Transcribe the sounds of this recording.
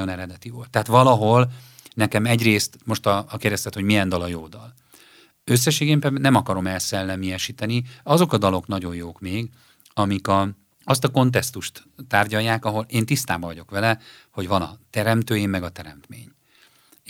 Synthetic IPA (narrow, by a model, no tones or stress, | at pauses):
onɛɾɛd̪ɛt̪iʋolt̪ːɛɦaːt̪ʋɒlɒɦo̞l | nɛkɛmɛɟreːst̪mo̞ʃt̪ɒkeːrd̪ɛst̪ɛt̪ho̞ɟmijɛnd̪ɒlɒjoːd̪ɒl | øsːɛʃeːɡempɛnɛmɒkɒɾo̞mɛlsɛlːɛmijɛʃit̪ɛniɒzo̞kɒd̪ɒlo̞knɒɟo̞jjoːkmeːɡ | ɒmikɒ | ɒst̪ɒko̞nt̪̬ɛst̪uʃt̪ːaːrɟɒjːaːkɒɦo̞leːnt̪ist̪aːbɒvɒɟo̞kʋɛlɛ | ho̞ɟʋɒnɒ̰t̪ɛɾɛmt̪øːjimːɛɡɒt̪ɛɾɛ̰mt̪mḛːɲ